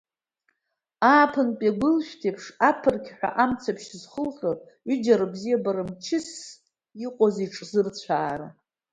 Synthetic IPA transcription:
aːpʰɨnpʼaɡʷʊlʃᶣtʰepʰʂapʰɨrkʲʰħʷᶣa̰ʔamt͡sʰapʰʃzχəlɬor | ʏd͡ʒaɾɨbzijabaɾɨmt͡ʃʰɪs | iqʷʼoziʈ͡ʂʼzɨrt͡sʷʰaːra

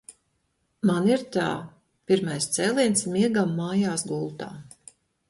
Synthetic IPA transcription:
maniɾt̪a̰ː | piɾmajst̪sɛːlˠiɛnsmiɛɡamːaːjaːsɡulˠt̪a̰ː

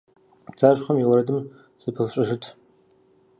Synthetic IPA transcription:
t͡sʰaːɕχɐmiwɐɾɐdɨm | z̥ɨpʰɨfɕʼɐʒɨtʰ

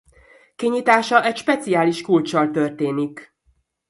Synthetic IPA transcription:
kiɲiːt̪aːʃɒʔɛcʃpɛt̪siaːliʃkult͡ʃɒlt̪ørt̪eːnik

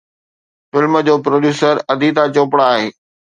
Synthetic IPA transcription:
fɪlməd͡ʑoːpɾoːɗjuːsəɾɐd̪ʱit̪ãt͡ɕoːpɽaaːɦeː

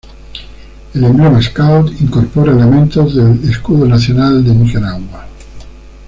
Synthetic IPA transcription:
elembljomaeskawt̪iŋkoɾpoɾaelemẽnt̪ozðeleskuðonaθjonald̪emixeɾaɣwwa

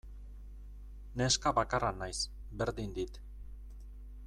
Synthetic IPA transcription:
ne̞skaβakaranajs | be̞ɾðind̪it̪

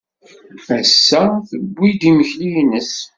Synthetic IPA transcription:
æsːæθəbʷːid̪iməçlijnəs

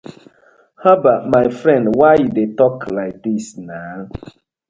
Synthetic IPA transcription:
habamaɪfɾɛ̃ndwaɪjudetɔklaɪk̚disna

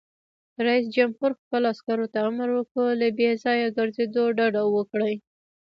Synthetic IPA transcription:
ɾais̬d͡ʒamhuɾxpəloaskaɾot̪aamɾwəkəlabezɑjaɡəɾzed̪oɖaɖawəkɽaj

